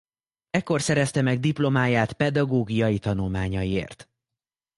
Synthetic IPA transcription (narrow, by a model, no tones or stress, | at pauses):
ɛkːo̞rsɛɾɛst̪ɛmɛɡ̚d̪iplo̞maːjaːt̪pɛd̪ɒɡoːɡijɒjit̪ɒnulmaːɲɒjiḛːrt̪